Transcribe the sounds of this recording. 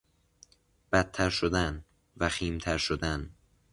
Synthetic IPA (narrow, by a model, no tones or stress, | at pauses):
b̥æt̪ʰːæɾʃod̪æn | væxiːmt̪ʰæɾʃod̪æn